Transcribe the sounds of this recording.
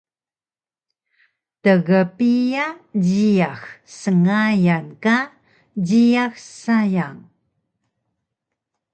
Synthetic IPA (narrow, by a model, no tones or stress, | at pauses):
təɣəpijad͡ʑiaxsəŋajanka | d͡ʑiaxsajaŋ